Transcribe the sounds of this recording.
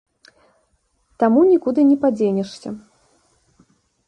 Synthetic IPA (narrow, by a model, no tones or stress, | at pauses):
t̪amunʲikud̪ɨnʲɛpad͡zʲenʲɛʂsʲɐ̰